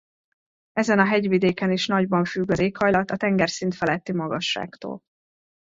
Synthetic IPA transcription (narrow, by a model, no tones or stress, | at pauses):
ɛzɛnɒɦɛɟvid̪eːkɛniʃnɒɟbɒɱfyɡːɒzeːkhɒjlɒt̪ɒt̪ɛŋɡɛrsint̪fɛlɛt̪ːimɒɡɒʃːa̰ːkt̪o̰ːl